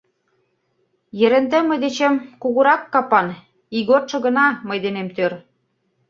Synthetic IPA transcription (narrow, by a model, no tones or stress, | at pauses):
jɘ̆ɾɘ̆nt̪ɘ̆mɤ̆jd̪et͡ɕĕmkuɣuɾɑkːɑpɑn | iɣot̪ʃɤ̆ɣɤ̆nɑmɤjd̪enemt̪øɾ